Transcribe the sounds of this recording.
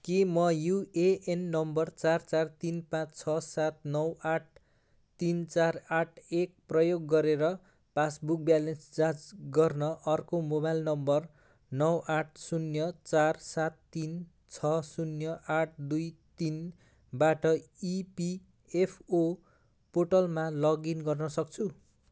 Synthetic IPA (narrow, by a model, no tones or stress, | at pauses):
kimʌjueʔenːʌmbʌrt͡sart͡sart̪inpãt͡st͡sʰʌsat̪̚nʌwaʈ̚ʰ | t̪int͡saraʈʰek̚prʌjoɡːʌɾeɾʌ | pasbuk̚bjalensd͡zad͡zɡʌrnʌʔʌrkomobajlnʌmbʌr | nʌwaʈʰsunjʌt͡sarsat̪ːin | t͡sʰʌsunjʌʔaʈ̚ʰd̪ujt̪in | baʈʌipi | epʰo | poʈʌlmalʌɡinɡʌrnʌsʌk̚t͡sʰu